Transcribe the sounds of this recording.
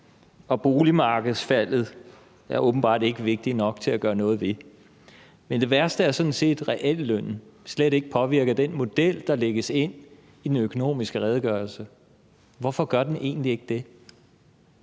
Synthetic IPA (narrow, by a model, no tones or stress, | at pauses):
ɒ̽b̥o̝ːlimɑ̈ːɡ̥əð̩ˠsfæl̰ð̩ˠ | æɐʔɔ̽ːb̥n̩b̥ɑ̰̈ːd̥e̝ɡ̥əʋe̝ɡ̥̚d̥inɒ̽ɡ̥̚t͡sʰe̝læɡ̥ɶːɐnɔ̽ːð̞̩ˠʋe̝ | mend̥e̝ʋæɐsd̥əæɐsɒ̽n̩se̝̰ːd̥ʁɛʔel̰ːøn̰n̩sleɾ̥e̝ɡ̥əpʰɒ̽ʋiɐ̰ɡ̥ɐd̥enmo̝d̥el̰d̥ɑ̈leɡ̥əse̝n̰ | id̥enøkʰo̝no̝̰ːmisɡ̥əʁɛːð̞ˠɡ̥ɶːɐlsə | ʋɒfɒ̽ɡ̥ɶɐd̥enʔe̝̰ːn̩dlie̝ɡ̥əd̥e̝